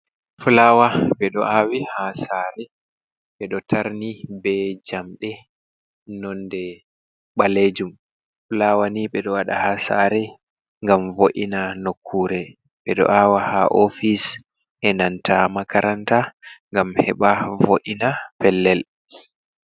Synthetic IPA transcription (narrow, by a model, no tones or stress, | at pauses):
fulawaɓɛɗɔ̰ʔawihasaɾɛ | ɓɛɗɔtʰaɾnibɛd͡ʒamɗɛ | nɔndɛ | ɓaled͡ʒum | fulawaniɓɛɗɔwaɗa̰hasa̰ːɾɛ | ŋɡamvoʔinanokʰːuːɾɛ | ɓɛɗɔ̰ʔawahaʔofis | ʔɛnantʰamakaɾʔantaŋɡamhɛɓavoʔinapɛlːɛl